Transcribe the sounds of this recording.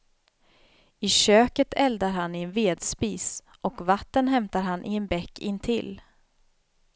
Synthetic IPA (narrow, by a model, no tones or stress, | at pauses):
ɪɕøːkət̪ʰɛld̪aɾɦanɪɛnveːd̪spiːs | ʔɔkvat̪ːənɦɛmt̪aɾɦanʔɪɛnbɛkːɪnːt̪ʰɪ̰l